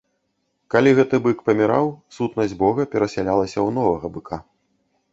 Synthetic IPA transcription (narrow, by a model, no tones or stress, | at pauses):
kalʲiɣɛt̪ɨbɨkpɐmʲiɾa̰wsut̪nɐzʲbɔɣɐpʲɛɾɐsʲalʲalˠɐsʲɐwn̪ɔvɐɣɐbɨkʰa